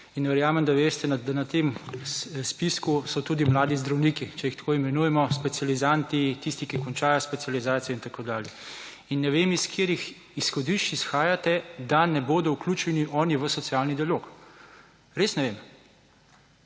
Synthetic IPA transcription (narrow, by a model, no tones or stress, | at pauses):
inʋɛɾjaːmɛmd̪aʋeːst̪ɛnad̪anat̪em | spiskusɔt̪uːd̪imlaːd̪izd̪ɾawniːkit͡ʃɛjixt̪koːimɛnuːjɛmɔspɛtsializant̪it̪ist̪ikikɔnt͡ʃaːjɔspɛt̪sijalizaːt̪sijɔint̪akoːd̪aːljɛ | inːɛʋeːmiskʰeːɾix | isxɔd̪iʃt͡ʃisxaːjat̪ɛd̪anɛboːd̪ɔwkluːt͡ʃɛniʔɔːniʋəsɔt̪siaːlnid̪ialok | ɾesnɛʋem